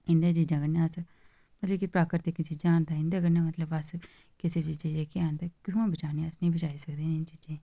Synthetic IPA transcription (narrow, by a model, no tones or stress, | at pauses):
ɪ̃nd̪eːt͡ʃiːd͡ʒãɡənẽəs | mɐt̪ləkipɾaːkəɾt̪ɪkːt͡ʃiːd͡ʒaːnd̪aɪnd̪eːɡənẽːmət̪ləbɐs | kɪset͡ʃiːt͡ʃiːd͡ʒeːkeaːnd̪akɪɦũːbət͡ʃaːniəsnĩːbət͡ʃaːisəkd̪ẽːɪnt͡ʃiːd͡ʒẽː